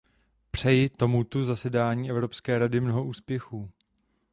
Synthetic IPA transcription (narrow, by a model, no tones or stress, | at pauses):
pr̝̥ɛjɪt̪o̞mut̪uzasɛdaːɲiːʔɛvɾo̞pskɛːɾadɪmno̞ɦoʔuːspjɛxuː